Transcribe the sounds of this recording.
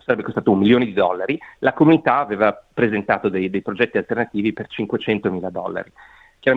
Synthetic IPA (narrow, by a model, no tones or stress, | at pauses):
saɾɛbːekost̪at̪oumːiljoːned̪id̪ɔlːaɾilakomunit̪aaveːvapɾezent̪aːt̪od̪ejd̪ejpɾod͡ʒɛt̪ːialt̪ernat̪iːvipert͡ʃiŋkwet͡ʃɛnt̪omiːlad̪ɔ̰lːa̰ɾi | kjaɾa